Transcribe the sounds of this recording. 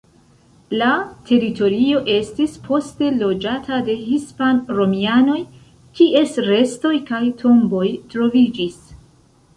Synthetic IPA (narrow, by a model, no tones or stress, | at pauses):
latʰe̞ɾito̞ɾio̞ʔe̞stispʰo̞ste̞lo̞d͡ʒatʰade̞hispanɾo̞miano̞j | kiʔe̞sɾe̞sto̞jkajtʰo̞mbo̞jtɾo̞vid͡ʒis